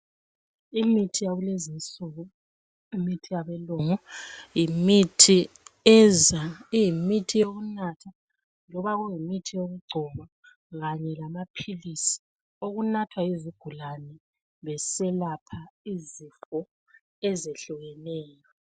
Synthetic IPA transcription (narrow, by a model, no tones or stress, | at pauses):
imitʰijaɣulezint͡sʼuɣu | imitʰijaβɛlɔŋɔjimitʰi | ɛzajimitʰijoɣunatʰa | lɔβaɣujimitʰijoɣuɡ͡ǀʱɔma | ɣaɲɛlamapʰilisi̥ | oɣunatʰwaiziɡ̥ʱulanɛ | βɛsɛlapʰaizifɔ | ɛzeɬuɣɛnɛːjɔ